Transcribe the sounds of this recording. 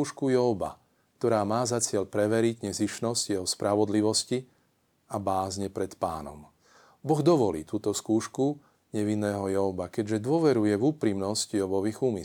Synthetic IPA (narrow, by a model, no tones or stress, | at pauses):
uːʃkujɔʊba̰ | k̚t̪ɔɾaːmaːzat͡sɪɛʎpɾɛʋɛɾiɟɲɛziʃnɔsɟjɛɦɔspɾʔaʋɔd̪liʋɔsci | abaːzɲɛpɾɛt̪pa̰ːnɔ̰m | bɔɣd̪ɔʋɔlḭːt̪uːt̪ɔskuːʃku | ɲɛʋinːɛːɦɔjɔʊbakɛɟʒɛd̪ʊɔʋɛɾujɛvuːpɾimnɔscjɔbɔʋiːɣuːmi